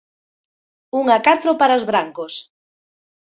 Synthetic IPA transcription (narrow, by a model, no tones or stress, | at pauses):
uŋakat̪ɾopaɾaozβɾaŋkos